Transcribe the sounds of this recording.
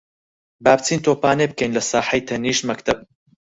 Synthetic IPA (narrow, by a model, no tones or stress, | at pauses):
baːbt͡sʰiːnt̪ʰoːpaːneb̚kʰɐjnlɐsɑːħɐjt̪ʰɐniːʃmɐkt̪ʰɐb̚